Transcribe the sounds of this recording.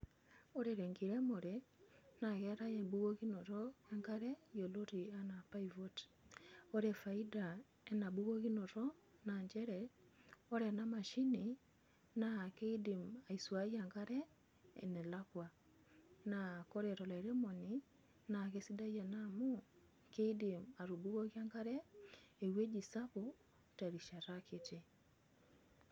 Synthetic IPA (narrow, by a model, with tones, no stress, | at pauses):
o˦ɾeɾe˨ŋɡi˨ɾe˦mo˨ɾena˨ɣɛ˦ɾa˦je˨bu˦ɣo˦ɣi˦no˨ɾoe˦ŋka˦ɾejo˨lo˦ɾi˨a˦na˨paivot | o˦ɾe˨fa˨i˦da˨ | e˦na˨bu˦ɣo˦ɣi˦no˨ɾo˦na˨ɲd͡ʒɛ˦ɾe | o˦ɾe˨na˦ma˨ʃi˦ni | na˨ke˦i˦di˨ma˨i˨swaɣjaŋɡa˦ɾɛ | ɛ̰nɛ˨lakwa | na˨ko˦ɾe˨ɾɔ˨la˨i˨ɾe˦mɔ˨ni | na˨ɣesi˦da˦ɣja˨namu | ke˦idi˨ma˨ɾu˨bu˦ɣo˦ɣi˦a˦ŋɡa˦ɾɛe˨we˦d͡ʒi˨sa˦βo˨ | ta˨ɾi˨ʃa˨ɾakete